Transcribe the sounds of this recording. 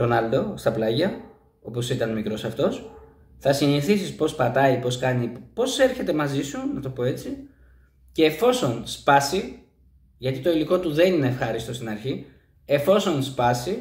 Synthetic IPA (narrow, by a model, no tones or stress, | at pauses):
ɾo̞nɐld̪o̞st̪ɐplɐʝɐ | o̞po̞sit̪ɐnmikɾo̞sɐft̪o̞s | θɐsiniθisispo̞spɐt̪ɐipo̞skɐnipo̞se̞ɾçe̞t̪e̞mɐzisunɐt̪o̞po̞e̞t͡si | ce̞ːfo̞so̞nspɐsi | ʝɐt̪it̪o̞iliko̞t̪uðe̞nine̞ːfxɐɾist̪o̞st̪inɐɾçi | e̞fo̞so̞nspɐsi